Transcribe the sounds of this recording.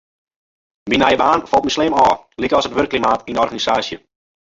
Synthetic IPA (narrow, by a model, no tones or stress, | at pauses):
binajəbaːnfɔlˠt̚mislɪːmɔːlikəɔsətʋørkːlimaːtindəɔrɣanisaːsjə